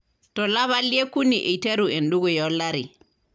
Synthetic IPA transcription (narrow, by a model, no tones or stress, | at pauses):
tɔlaβaliekuniʔeteɾuɛnduɡɔjɔlːaɾi